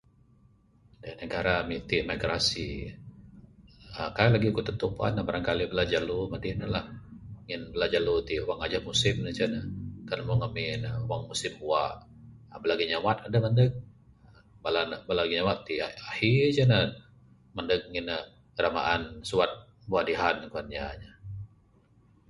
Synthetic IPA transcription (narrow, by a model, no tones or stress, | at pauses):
danəɡaɾamit̪imaɡɾasi | əkaalaɡikut̪ət̪upa̰nabaɾaŋkalibəlad͡ʒalumadinəlahŋɪnbəlad͡ʒalut̪iwaŋad͡ʒamusɪmnət͡ʃanakanmɔŋamɪnəwaŋmusɪmuwaʔ | abalaɡiɲawat̪adaməndək̚ | balanbalaɡiɲawat̪ːiahid͡ʒana | məndək̚ŋɪnə | ɡəɾama̰ʔansuat̪̚ | buadiɦankuanɲaɲa